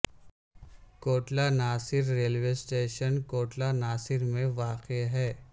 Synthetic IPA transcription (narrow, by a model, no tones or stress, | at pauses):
koːʈlanaːsɪɾɾeːlʋeːsʈeːʃənkoːʈlanaːsɪɾmẽʋaːqeɦɛː